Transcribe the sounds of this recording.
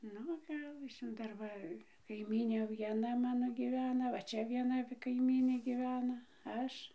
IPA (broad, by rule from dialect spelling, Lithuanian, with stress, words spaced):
ˈnʊ ˈɡɑːlˠɐs ˈʒʲɪn dɐr ˈʋɐ kɐɪˈmʲiːnʲeː ʋʲiɛˈnɐ ˈmɑːnoː ɡʲiːˈʋʲæːnɐ ʋɐ ˈt͡ʃʲɛ ʋʲiɛˈnɐ ʋɐ kɐɪˈmʲiːnʲeː ɡʲiːˈʋʲæːnɐ ˈɐʃ